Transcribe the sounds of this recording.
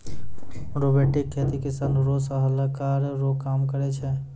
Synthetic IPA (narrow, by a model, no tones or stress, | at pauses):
ɾobeʈɪkʰːet̪ikɪsanɾosəɦəlakaɾɾokamkəɾɛt͡ʃʰɛ